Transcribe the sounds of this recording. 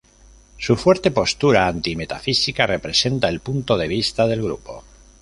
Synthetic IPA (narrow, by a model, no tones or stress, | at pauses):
sufwe̞ɾt̪e̞po̞st̪uɾaːnt̪ime̞t̪afisikare̞pɾe̞se̞nt̪ae̞lpunt̪o̞ðe̞β̞ist̪að̞e̞lɣɾṵpo̞̰